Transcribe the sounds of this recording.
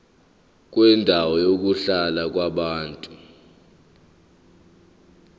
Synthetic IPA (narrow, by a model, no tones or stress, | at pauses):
k̬ʼwɛndʱawɔjok̬uɬalak̬waɓaːntʼu